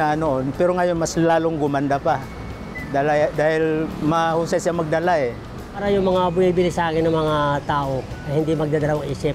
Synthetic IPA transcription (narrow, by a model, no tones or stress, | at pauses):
anoʔonpɛɾoŋɐjonmaslaːloŋɡʊmand̪apa | d̪alajd̪aːhɪlmɐhusajsamɐɡ̚d̪alaʔɛ | paːɾajʊŋmɐŋabʊŋibɪlɪsaaːkɪnɐŋmɐŋat̪aːʔoɐjhɪnd̪ɪmɐɡ̚d̪ad̪ɐlawaŋʔiːsɪp